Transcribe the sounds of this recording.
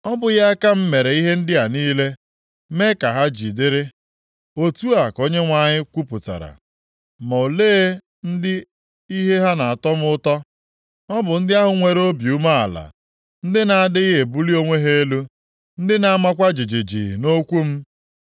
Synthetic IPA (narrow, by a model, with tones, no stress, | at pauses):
ɔ˦bʊ˨ja˦ka˦m̩˦me˨ɾe˨i˦ɦe˦n̩˦dɪ˦a˨niː˦le˦ | me˦ka˨ɦa˦d͡ʒi˨dɪ˦ɾɪ˦ | o˦tu˦a˨ko˦ɲe˦ŋʷa˨ɲɪ˦kʷu˦pʊ˨ta̰˨ɾa̰˨ | ma˨o˨leː˦ | n̩˦dɪ˦ | i˦ɦe˦ɦa˦na˨a˨tɔ˦m̩˦ʊ˦tɔ˦ | ɔ˦bʊ˨n̩˦dɪ˦a˦ɦʊ˨ŋʷe˨ɾo˦bju˦ma˦a̰˨la̰˨ | n̩˦dɪ˦na˨a˦˨dɪ˦ɦe˨bu˦li˦o˦ŋʷe˦ɦe˦e˦lu˦ | n̩˦dɪ˦na˨a˦ma˦kʷa˦d͡ʒi˨d͡ʒe˨d͡ʒḭ˨no˦kʷu˦m̩˦